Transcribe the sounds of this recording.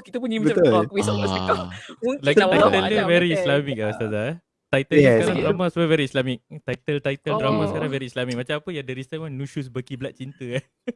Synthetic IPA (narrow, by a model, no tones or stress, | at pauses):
kit̪əpunɲimaamaakwisɔɔsikalakt̪ajt̪ələvɛɾiːslamik̚aast̪aza | t̪ajt̪ələsəkaɾãŋdɾamaswəvɛɾiːslamik̚t̪ait̪əlt̪ajt̪əldɾamasəkaɾãŋvɛɾiːslamik̚mãt͡ʃamapəjadəɾist̪amãnũʃus̬bəkiblaʔ̚t͡ʃint̪əa